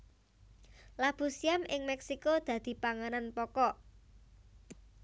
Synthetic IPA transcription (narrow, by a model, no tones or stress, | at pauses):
lab̥ṳsiamɪŋmɛksikod̪̥ä̤d̪̥i̤paŋananpɔkɔ